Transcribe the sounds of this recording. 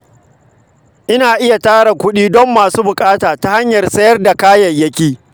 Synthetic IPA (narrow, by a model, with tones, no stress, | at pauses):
ʔɪ˦naː˨ʔɪ˦ja˨taː˦ɽa˨kʷʊ˦ɗiː˦dɔ˦mːaː˨suː˦bʊ˨kʼaː˦taː˨ta˦ha˦ɲjɐ˨rsɐ˦jɐ˦rda˨kaː˦jɐ˨ɲjɐ˦kʲiː˦